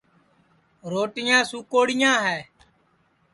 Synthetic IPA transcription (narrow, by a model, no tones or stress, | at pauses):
ɾoːʈɪjãːsuːkoːɽɪjãːɦɛː